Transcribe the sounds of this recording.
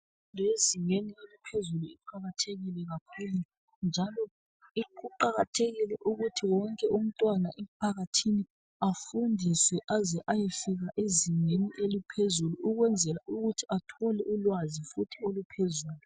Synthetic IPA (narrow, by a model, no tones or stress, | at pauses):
undʱeziŋenielipʰezuluiǃaɣatʰeɣilɛɣakʰula | nd͡ʒʱalɔ | iuǃaɣatʰeɣilɛʔuɣutʰiwɔŋkʼɛʔum̩tʼwanaʔɛpʰaɣatʰini | afundʱiswɛʔazɛʔajefiɣaʔeziŋeniʔelipʰezuluʔuɣwɛnd͡zʱɛlaʔuɣutʰiatʰɔlɛʔulwazifutʰiolupʰezuːlu